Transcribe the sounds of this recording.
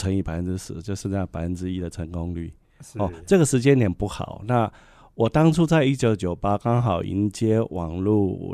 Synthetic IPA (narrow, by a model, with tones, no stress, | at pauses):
ə˧˥ŋi˧˩pa˨ɪfə˦nʈ͡ʂɻ̩˥sɹ̩˥˩˦t͡ɕjo˥˧ʊʂɻ̩˥˧a˥˩pa˨˩ɪfə˧˦nʈ͡ʂɻ̩˦i˥d̪ə˨ʈ͡ʂʰə˧˥ŋko˦ŋly̰˥˩ | ɔ˥˩t͡sɤ˥˩ɡə˩ʂɻ̩˧˥t͡ɕjɛ˥nljɛ˨˩npu˥˩xɑ̰˨˩˦ʊna˥˧ | wɔ˨˩t̪ɑ˥ŋt͡sʰu˥˧t͡sa˥˧ɪi˦˥t͡ɕjo˧˥ʊt͡ɕjo˨˩ʊpa˥kɑ˥ŋxɑ˨˩ʊʔḭ˧˥nt͡ɕjɛ˥wɑ̰˨˩ŋlu˥˩